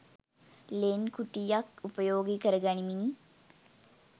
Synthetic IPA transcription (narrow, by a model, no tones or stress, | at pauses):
leːnkuʈijakupəjoːɡikəɾəɡanimini